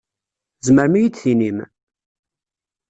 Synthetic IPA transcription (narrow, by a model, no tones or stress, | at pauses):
zməɾmijid̪θinim